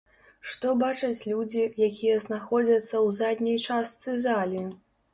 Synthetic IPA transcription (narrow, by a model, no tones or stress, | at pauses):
ʂt̪ɔbat͡ʂɐt͡sʲlʲud͡zʲijakʲijɐznaxɔd͡zʲɐt̪sːɐwzad̪ʲnʲijt͡ʂastt̪sɨzalʲi